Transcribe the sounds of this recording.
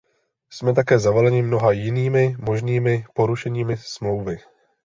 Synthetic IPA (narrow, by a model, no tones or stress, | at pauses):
smɛt̪̬akɛːzavalɛɲɪmno̞ɦajɪniːmɪmo̞ʒniːmɪpo̞ɾuʃɛɲiːmɪsmlo̞wvɪ